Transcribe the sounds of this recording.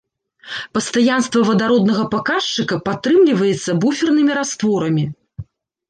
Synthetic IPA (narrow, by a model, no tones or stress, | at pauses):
pɐst̪ajanst̪vɐvɐd̪aɾɔd̪nɐɣɐpakaʂt͡ʂɨkɐpat̪ːɾɨmlʲivɐjɛt̪sːɐbufʲɛrnɨmʲiɾast̪vɔɾɐmʲi